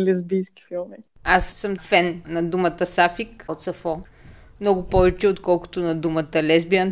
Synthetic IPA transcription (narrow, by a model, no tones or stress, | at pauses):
lɛzbijskʲi̥filˠmi | assəmfɛnnɐd̪umət̪əsafikot̪sɐfɔ | mnɔɡʊpɔvɛt͡ʃɛot̪kɔlˠkʊ̥t̪ʊnɐd̪umət̪əlɛzbiən